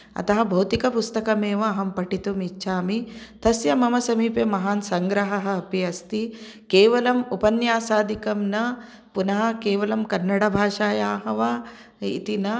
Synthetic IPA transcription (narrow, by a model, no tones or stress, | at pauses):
ɐ̰t̪ɐɦɐ̆bʱɐwt̪ikɐpust̪ɐkɐmeːʋɐːɦɐmpɐʈit̪umitːʃʰaːmit̪ɐsjɐmɐmɐsɐmiːpemɐɦaːnsɐŋɡɾɐɦɐɦɐ̆ɐpiɐst̪i | keːʋɐlɐmupɐnjaːsaːd̪ʱikɐmnɐ | punɐɦɐkeːʋɐlɐmkɐnːɐɽɐbʱaːʃaːjaːɦɐʋa | ḭt̪inɐ